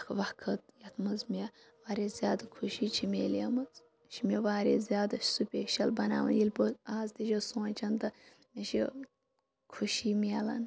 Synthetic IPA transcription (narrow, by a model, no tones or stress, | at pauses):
kʰʋɐkʰɐt̪jɐt̪mɐzmʲe | ʋaːɾʲezʲjaːd̪ɐkʰuʃiːt͡ʃʰimʲeːlemɐt͡s | ʃʰimʲeʋaːɾʲḛzʲjaːd̪ɐsupʲeʃɐlbɐna̰ːʋɐ̰njilpɨaːzt̪id͡ʒosoːnt͡ʃʰɐnt̪ɨ | mʲeʃi | kʰuʃiːmiɐlɐ̰n